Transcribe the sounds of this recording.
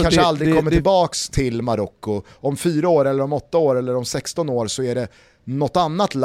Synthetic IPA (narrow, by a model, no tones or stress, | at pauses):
anʂald̪ɾɪɡkɔmːət̪ʰɪlbɑːkst̪ʰɪlmaɾɔkːʊ | ɔmfyːɾaoːɾɛlːəɾɔmɔt̪ːaoːɾɛlːəɾɔmsɛkst̪ɔnoːɾsɔæɖɛ | nɔt̪ːanːat̪l